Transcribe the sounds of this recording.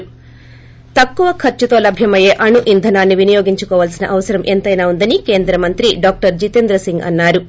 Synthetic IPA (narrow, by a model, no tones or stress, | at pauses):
t̪ɐkːuʋɐkʰɐɾt͡ʃut̪o̞ːlɐbʱjɐmɐje̞ːʔɐɳuʔind̪ʱɐnaːnːiʋinijoːɡiɲt͡ʃukɔːʋaːlsinɐ̰ʔɐʋɐsɐɾɐmʔent̪ɐjnaːund̪ɐnike̞ːnd̪ɾɐmɐnt̪ɾiɖaːk̚ʈɐɾd͡ʒit̪end̪ɾɐsiŋɡɐ̰nːaːɾu